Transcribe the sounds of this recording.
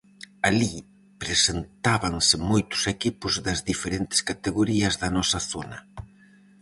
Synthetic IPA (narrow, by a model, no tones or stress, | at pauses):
ali | pɾesent̪aβɐŋsɪmojt̪ʊ̥sekipʊzðɐzðifeɾent̪ɪ̥skat̪eɣoɾiɐzðɐnɔsɐθonɐ